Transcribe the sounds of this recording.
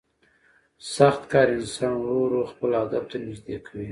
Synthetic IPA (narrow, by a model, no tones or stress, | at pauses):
saxt̪kɑːɾɪnsɑnwoɾoxpəlad̪ab̚t̪anɪd͡ʒd̪ekʰawi